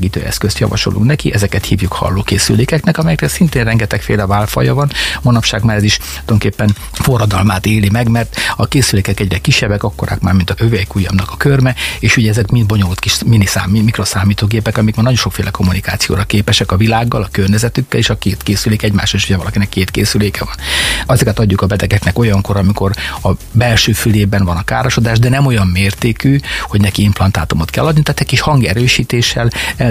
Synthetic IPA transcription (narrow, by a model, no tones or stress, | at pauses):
ɡiːt̪ø̰ːʔɛ̰skøst̪jɒ̰vɒ̰ʃo̰lʔṵŋknɛkiʔɛzɛkɛt̪hiːvjukhɒ̰lːoːkeːsy̰leːkɛknɛkɒmɛjɛkrɛsint̪eːnrɛŋɡɛt̪ɛkfeːlɛvaːlfɒ̰jɒvɒnmonɒpʃaːɡmaːɾɛziʃooŋkeːpːɛn | fo̞rːɒd̪ɒlmaːt̪eːlimɛɡmɛrt̪ɒkeːsyleːkɛkɛɟrɛkiʃːɛbːɛkɒkːoɾa̰ːkmaːrmint̪ɒøvɛjkujɒ̰mnɒkɒkørmɛeːʃuɟɛɛzɛkmind̪̚bo̞ɲolut̪kiʃminːisaːmimikrosaːmiːt̪oːɡeːpɛkɒmikmaːnɒɟo̞nʃo̞kfḛːlʔɛko̞mːunika̰ːt̪sijo̰ːɾɒkeːpɛʃɛkɒvilaːɡːɒlɒkørɲɛzɛt̪ykːɛleːʃɒkeːt̪keːsyleːkɛɛɟma̰ːʃoeʃuɟɛvɒlɒkinɛkːeːt̪keːsyleːkɛvɒnɒzikɛt̪ɒɟːukɒbɛt̪ɛɡɛknɛko̞jɒŋko̞ɾɒmiko̞ɾɒbɛlʃøːfyleːbɛnvɒnɒka̰ːɾoʃod̪aːʒd̪ɛnɛmo̞jɒmːeːrt̪eːkyho̞ɟnɛkiimplɒnt̪a̰ːt̪umot̪kɛ̰lːɒd̪nit̪aːt̪ɛc̚kiʃhɒŋɡɛɾøːʃiːt̪eːʃɛlɛ